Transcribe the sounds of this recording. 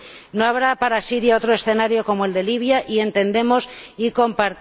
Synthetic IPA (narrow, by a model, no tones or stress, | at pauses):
no̞aβɾapaɾasiɾjao̞t̪ɾoe̞sθe̞naɾjo̞ko̞moe̞ld̪e̞liβ̞jaʔie̞nt̪e̞nd̪e̞mo̞siko̞mpaɾ